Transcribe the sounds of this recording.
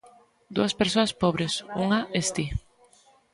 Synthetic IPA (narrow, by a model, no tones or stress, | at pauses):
d̪uaspeɾsoaspoβɾesuŋaʔest̪i